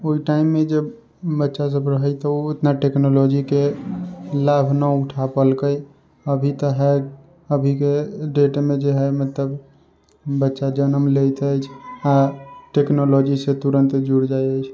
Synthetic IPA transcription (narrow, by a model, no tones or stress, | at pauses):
oiʈaimːed͡ʒe | bətːʃas̬əbɾəɦət͡ʃʰt̪əoot̪naʈeknolod͡ʒike | labʱnəuʈʰapəlkəj | əbʱit̪əɦɛ | əbʱikeɖeʈmed͡ʒeɦɛjmət̪ləb | bətːʃad͡ʒənəmlejt̪əjt͡ʃʰaʈeknolod͡ʒiset̪uɾənt̪d͡ʒuɽd͡ʒajəjt͡ʃʰ